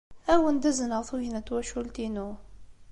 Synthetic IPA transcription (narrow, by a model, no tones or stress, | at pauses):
æwənd̪æzənəʁθuʝənæt̪ːwæʃult̪inu